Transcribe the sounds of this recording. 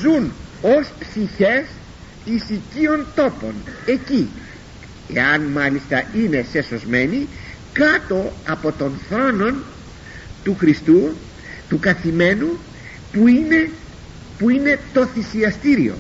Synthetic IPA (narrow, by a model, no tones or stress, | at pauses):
zuno̞spsiçe̞s | isicio̞nt̪o̞po̞̰ne̞ci | ḛɐnmɐlist̪ɐine̞se̞so̞zme̞ni | kɐt̪o̞ɐpo̞t̪o̞nθɾo̞no̞n | t̪uxɾist̪u | t̪ukɐθime̞nu | puine | puine̞t̪o̞θisiɐst̪iɾio̞̰